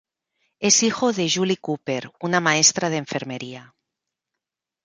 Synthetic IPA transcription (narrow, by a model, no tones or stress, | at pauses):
ezixoðeʒulikupeɾunamaest̪ɾað̞eɱfeɾmeɾia